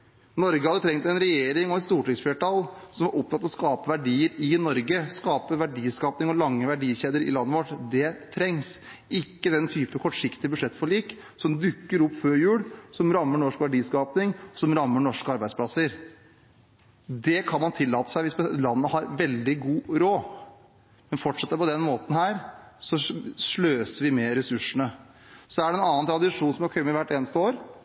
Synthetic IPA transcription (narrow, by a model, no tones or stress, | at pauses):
nɔɾɡəhɑd̪ət̪ʰɾɛŋt̪ɛnɾɛjeːɾɪŋɔɛt̪st̪uːʈɪŋsfleːʈɑlsɔmæɾʔɔp̚t̪ɑt̪ːɔskɑːpəʋæɖiːəɾɪnɔɾɡəskɑːpəʋæɖiːskɑːpnɪŋɔlɑŋːəʋæɖiːɕeːd̪əɾɪ̰lɑnːəʋɔʈd̪ɛt̪ʰɾɛŋs | ɪkːəd̪ɛnt̪ʰyːpəkʰɔʈʂɪkt̪ɪəbʉd̪ʂɛt̪ːfɔɭiːk | sɔmd̪ʉkːəɾʊpːføːɾjʉːɽsɔmɾɑmːəɳɔʂkʋæɖiːskɑːpnɪŋɔsɔmɾɑmːəɳɔʂkəɑɾbæɪd̪spʰlɑsəɾ | d̪ɛkʰɑnmɑnt̪ʰɪlːɑːt̪ə̥sæɪʋɪsbəlɑnːəhɑɾʋɛld̪ɪɡuːɾoː | mɛnfɔʈʂɛt̪ːəɾpɔd̪ɛnmoːt̪n̩hæːɾsɔʂɭøːsəɾʋɪmɛɾɛsʉʂənə | sɔæɖɛnɑːənt̪ʰɾɑd̪ɪʂuːnsɔmɑkʰœmɪʋæʈːeːnəst̪əoːɾ